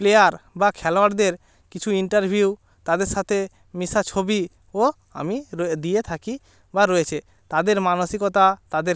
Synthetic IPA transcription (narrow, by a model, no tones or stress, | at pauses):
plejaɾbakʰɛloaʈd̪eɾ | kit͡ʃʰuiɳʈaɾbʱiu | t̪ad̪eɾʃat̪ʰe | misat͡ʃʰobi | o | a̰mid̪iet̪ʰaki | baɾɔet͡ʃʰe | t̪ad̪eɾmanosikɔt̪at̪ad̪eɾ